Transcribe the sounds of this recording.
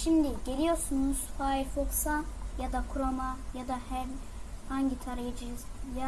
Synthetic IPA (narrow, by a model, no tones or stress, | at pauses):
ʃimd̪iɟe̞lʲijo̞ɾsunuz̥faːiɾfoksajad̪akʰuɾomajad̪ahæɾ | haɲɟit̪ʰaɾajed͡ʒiɾzja